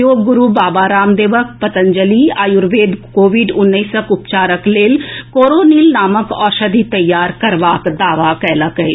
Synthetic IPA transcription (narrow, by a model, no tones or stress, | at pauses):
joːɡːʊɾubaːbaːɾaːmd̪eːʋək̚pɐt̪ə̃nd͡ʒəliaːjʊɾʋeːd̪koːʋiɖʊnːəisəkʊpt͡ʃaːɾəkleːlkoːɾoːniːlnaːməkɔːɾʃɐd̪ʱit̪ɐjːaːɾkɐɾʋaːkd̪aːʋakɛːlakɐɦeː